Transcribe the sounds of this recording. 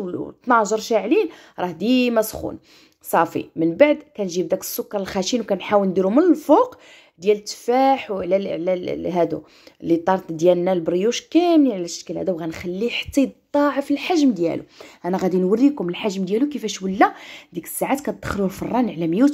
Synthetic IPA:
t̪nɑʒəɾˤʃaʕlin | ɾˤɑhd̪imæsxṵn | sˤɑfḭmənbaʕd̪kænʒib̚d̪ækə̥sːʊkːɑɾˤəlxæʃinwkænħawənd̪iɾumənəlfoq | d̪jælət̪ːfæħwʕlæʕlæɦæd̪ṵ | lːit̪ˤːɑɾˤt̪d̪jælənːælbɾijuʃkæmniʕlæʃkælhæd̪uwɣænxælːiħt̪ˤːit̪ˤːɑʕəfəlħaʒmd̪jæ̰lṵʔænæɣæd̪inwərːikʊməlħaʒmd̪jælukəfæʃwəlːæd̪ikə̥sːaʕat̪kænd̪̥ːəxlulfɑrˤːɑnʕlæmjut̪

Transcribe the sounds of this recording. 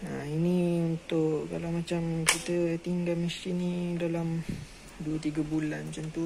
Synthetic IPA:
ainiunt̪ʊʔʔkalawmat͡ʃamkit̪əet̪iŋɡamistinidalam | duət̪iɡabulanmat͡ʃamt̪u

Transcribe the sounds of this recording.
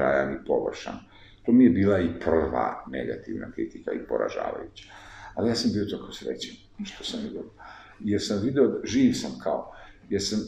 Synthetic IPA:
a̰ːjanipo̞ʋr̩ʃa̰n | t̪oːmijebiːlˠaipr̩ʋa̰ne̞̰ɡa̰t̪iʋnakɾit̪ikaipoɾa̰ʒa̰ːʋa̰jut͡ɕḁalijaːsambiːo̞t̪okaosɾḛt͡ɕen | ʃt̪osamʋid̪ejeɾsamʋid̪eod̪ʒiːʋsamkʰaojeɾsam

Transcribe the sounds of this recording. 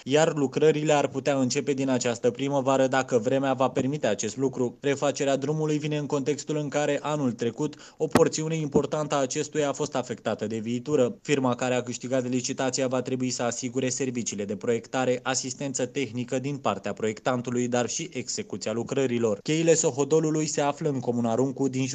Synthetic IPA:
jarlukɾəɾile̞arput̪eaɨnt͡ʃe̞pe̞d̪inat͡ʃast̪əpɾiməvaɾəd̪akəvɾe̞meavape̞rmit̪e̞at͡ʃe̞st̪lukɾure̞fat͡ʃe̞ɾead̪ɾumulujvine̞ɨŋko̞nt̪e̞kst̪ulɨŋkaɾe̞ʔanult̪ɾe̞kut̪ | o̞po̞rt̪siune̞impo̞rt̪ant̪əaːt͡ʃe̞st̪ujaːfo̞st̪afe̞kt̪at̪əd̪e̞viːt̪uɾəfirmakaɾe̞akɨʃt̪iɡat̪lit͡ʃit̪at̪siavat̪ɾe̞buisəasiɡuɾe̞se̞rvit͡ʃiːle̞d̪e̞pɾo̞je̞kt̪aɾe̞ʔasist̪e̞nt̪sət̪e̞xnikəd̪inpart̪eapɾo̞je̞kt̪ant̪ulujd̪arʃiʔe̞ɡz̥e̞kut̪sialukɾəɾilo̞rkʲe̞jile̞so̞ɦo̞d̪o̞lulujse̞afləɨŋko̞munaɾuŋkud̪in

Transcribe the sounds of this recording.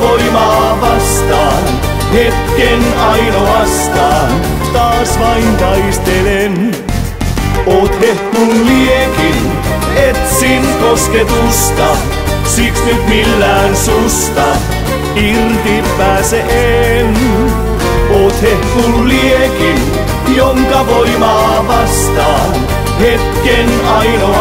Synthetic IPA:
oimɑː | ʋɑst̪ɑːn | het̪kenɑinoɑst̪ɑːn | t̪ɑːsʋɑinpɑist̪elen | oːt̪hehkulliekin | et̪sinkosk̪et̪ust̪ɑ | siksnyt̪milːæːnsust̪ɑ | irt̪ipːæːseʔen | ot̪hehpulliekin | joŋkɑʋoimɑːʋɑst̪ɑː | n | het̪ken | ɑjno

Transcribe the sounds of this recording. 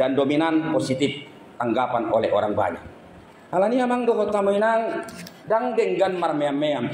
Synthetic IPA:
dandominanposit̪if | t̪aŋɡapanolɛɔɾaŋba̰ɲa̰k | halaniamaŋdɔɦɔt̪ːamoinaŋ | daŋdɛŋɡanmarmeamːeam

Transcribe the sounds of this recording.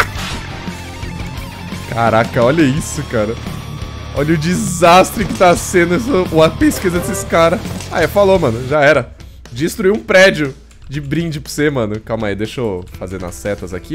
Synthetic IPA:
kaɾakɐɔʎɐisʊkaɾɐ | ɔʎɐʊd͡ʒizast̪ɾɪkɪt̪asẽd̪ʊsɐpeskizɐd̪esesɪ̥kaɾɐa̰ɛfalomɐ̃nʊʒaɛɾɐ | d͡ʒist̪ɾuiũpɾɛd͡ʒʊ | d͡ʒɪbɾĩd͡ʒɪpʊsemɐ̃nʊkawmɐjd̪eʃofazẽnɐ̰sːɛt̪ɐza̰ki

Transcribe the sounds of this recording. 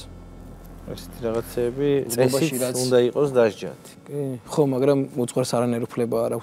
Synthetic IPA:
ɛ̰sɛ̥t̪ʰiɾaʁat̪sʰɛːbiɛsbaiɾaund̪aiqʼɔsd̪aʒd͡ʒa̰t̪ʰkʼiχɔmaɡɾamud̪zʼʁwaɾsaɾanaɛɾupʰlɛbaːɾakʰ

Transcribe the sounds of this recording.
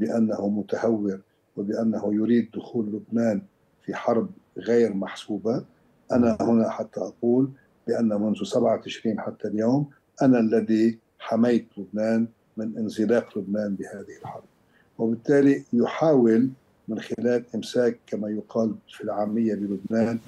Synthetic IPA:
bɪʔanːahumʊt̪ahawːɪɾ | wɪbɪʔanːahujʊɾiːd̪̚ːʊxuːlːʊbnaːn | fiħɑɾˤb̚ | ɣeːɾmaħsuːba | ʔanahʊnaħat̪ʰːaʔɑquːl | bɪʔanːamʊnðusabʕawt̪ɪʃɾiːnħat̪ːaljoːm | ʔanalːaði | ħamajt̪lʊbnaːn | mɪnʔɪnsɨlɑːqlʊbnaːnbɪhaːðɪhɪlħɑɾˤb̚ | wɪbɪt̪ːaːlijʊħaːwɪl | mɪnxɪlaːlʔɪmsaːkːamajʊqʰɑːlfilʕaːmːɪjːabɪlʊbnaːn

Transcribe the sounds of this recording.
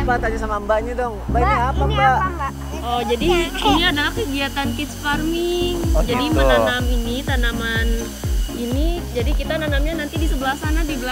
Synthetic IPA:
bat̪ad͡ʒasamambaɲadɔŋmbaikɲaapamba | ɔd͡ʒadiiɲaːdalakəɡiat̪ankit̪sfarmiŋd͡ʒadimənanaminit̪anaman | inid͡ʒadikit̪ananamɲanant̪idisəbəlahsanadibəla

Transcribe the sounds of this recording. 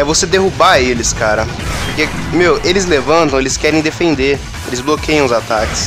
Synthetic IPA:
ɛvosed̪eɦubaelɪskaɾɐ | pʊɾkemewelɪzlevɐ̃nt̪ɐ̃w̃elɪskɛɾẽj̃d̪efẽnd̪eɾ | elɪzblokejɐ̃ʊzat̪akɪ̥s

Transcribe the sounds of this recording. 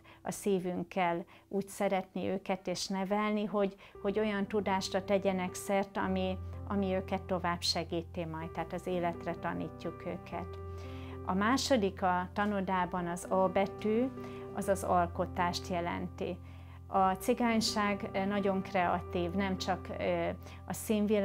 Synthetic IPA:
ɒ̰siːvyŋkːɛlː | uːcsɛɾɛt̪niøːkɛt̪eːʃnɛvɛlniɦo̞ɟ | ho̞ɟo̞jɒnt̪ud̪aːʃrɒt̪ɛɟɛnɛksɛrt̪ɒmiɒmiøːkɛt̪ːo̞vaːbʃɛɡiːt̪emɒjt̪t̪ːaːt̪ɒzeːlɛt̪rɛt̪ɒniːcːukøːkʰɛ̰t̪ | ɒmaːʃo̞d̪ikɒt̪ɒnod̪aːbɒnɒzɒbɛt̪yː | ɒzɒzɒlko̞t̪aːʃt̪jɛlɛ̰nt̪ḭ | ɒt̪siɡaːɲʃaːɡnɒɟo̞ŋkrɛɒ̰t̪iːvnɛmt͡ʃɒk | ɒsiːɱvil

